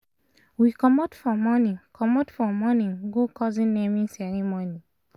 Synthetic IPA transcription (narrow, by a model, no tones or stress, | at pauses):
wikɔmatfɔmɔnĩkʰɔmɔtfɔmɔnĩŋɡokʰɔzĩnnemĩnsɛɹĩmɔni